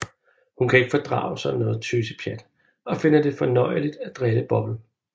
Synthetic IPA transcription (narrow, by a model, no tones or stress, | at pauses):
hunkʰæe̝ɡ̥əfɒ̽d̥ʁɑ̰̈ːʊsɒ̽nnɔ̽ːð̩ˠt͡sʰøsəpʰjæd̥ | ɒ̽fe̝n̰ɐd̥e̝fɒ̽nɒ̽ɪəlid̥æd̥ʁed̥əb̥ɒ̽b̥l̩